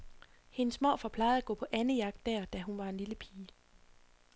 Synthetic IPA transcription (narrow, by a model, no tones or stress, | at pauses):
he̝nəsmɒ̰ːfɒ̽pʰlɑ̈ɪð̩ˠæɡ̥ɔ̰̽ːpʰɒ̽ʔænəjɑ̈ɡ̥̚d̥ːæɐ̰d̥æɦunʋɑ̈e̝nliləpʰiː